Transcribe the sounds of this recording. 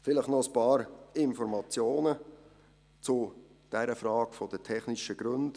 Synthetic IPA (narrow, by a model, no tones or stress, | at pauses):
fɪləχnɔəspɑːɾɪnfɔɾmɑt͡sjoːnə | t͡sʊ | d̥ɛɾəfɾɑːkfɔd̥ətʰɛχniʃəɡ̥ɾɵnd